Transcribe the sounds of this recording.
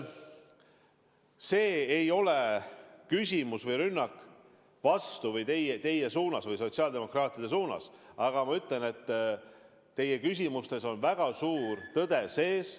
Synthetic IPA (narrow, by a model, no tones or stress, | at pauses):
se̞ːejo̞lekysʲimusvɤjɾynːɑk | vɑst̪uvɤjt̪e̞jet̪e̞je̞suːnɑsvɤjso̞t̪siɑːld̪e̞mo̞krɑːt̪ʲˑid̪̥e̞s̬uːnɑ̰sɑɡ̥ɑmɑyt̪ˑle̞ne̞t̪ː | e̞je̞kys̬ʲimust̪e̞so̞nvæɡ̥ɑsuːrt̪ɤd̪̥e̞se̞ːs